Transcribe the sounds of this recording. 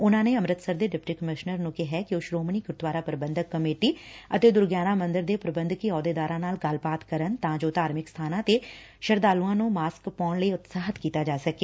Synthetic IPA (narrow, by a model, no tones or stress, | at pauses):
ʊnãːneːəmɾət̪səɾd̪eːɖɪp̚ʈiːkəmɪʃnəɾnũːkɛɦɛːkɪoːʃɾoːmniːkʊɾt̪waːɾaːpəɾəbə̃nd̪əkːəmeːʈiːət̪eːd̪ʊɾɡjaːnaːmə̃nd̪əɾd̪eːpɾəbənd̪kiɔːd̪eːd̪aːɾãːnaːlɡəlbaːt̪kəɾənt̪ãːd͡ʒoːt̪aːɾmɪkst̪ʰaːnãːt̪eː | ʃəɾd̪aːluãːnũːmaːskpɔːɳləiːʊt̪saːɦət̪kiːt̪aːd͡ʒaːsəkeː